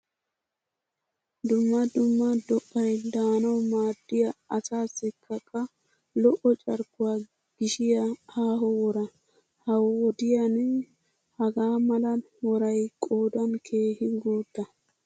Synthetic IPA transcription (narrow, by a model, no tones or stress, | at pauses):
d̪ʊmːɐd̪ʊmːɐd̪ɔʔːɐjd̪aːnɐwmaːd̪ːɪjɐɐsaːsːɪkʰːɐkʼːɐ | lɔʔɔt͡ʃʼɐɾkːʊwa | ɡ̥ɪʃɪjɐhaːɦɔwɔɾɐ | hɐwɔwɔd̪ɪjɐnɛ | hɐɡaːmɐlɐn | wɔɾɐjkʼoːd̪ɐnkʰe̞ːhɪɡoːd̪ːɐ